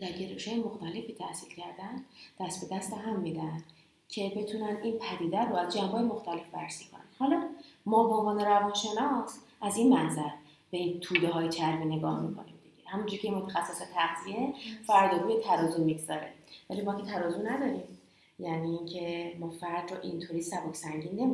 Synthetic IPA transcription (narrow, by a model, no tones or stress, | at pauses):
d̪̥æɾɟeɾeʃɒːjemoxt̪ʰæle̞fiːt̪ʰæhsilcʰæɾd̪ænd̪̥æst̪̚be̞d̪æst̪æɦæmːiːd̪æn | cʲʰe̞be̞t̪ʰunænd̪inpʰæd̪iːd̪æɾbɒːjæd̪̚d͡ʒæmbɒːjemo̞xt̪æle̞fvæɾsikʰo̰næ̰nhɒlɒmɒːbeoɱvɒːne̞ɾævɒːnʃe̞nɒs | ʔæziːnmænzæɾ | beit̪ʰuːd̪eɦɒːjet͡ʃʰæɾvene̞ɡɒːhmikʰo̞̰nimd̪iɟ̥ehæmund͡ʒuɾicʰeinmot̪ʰæxæsːeset̪ʰæɣzie̞fæɾd̪ɒːɡuːjet̪ʰæɾɒːzummiɡzɒɾevælimɒːkcʰe̞t̪ʰæɾɒːzunæd̪ɒːɾiːm | jæniːncʰe̞mɒːfæɾd̪roʔint̪ʰoɾiːsæboksæŋɟiːnːemi